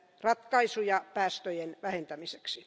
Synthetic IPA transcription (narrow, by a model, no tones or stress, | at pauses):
rɑt̪kɑisujɑpæːst̪øjenʋæhent̪æmiseksi